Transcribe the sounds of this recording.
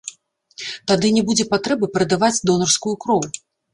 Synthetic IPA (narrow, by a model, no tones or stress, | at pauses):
t̪ad̪ɨnʲɛbud͡zʲɛpat̪ɾɛbɨpɾɐd̪avad͡zʲd̪ɔnɐrskujukɾɔvu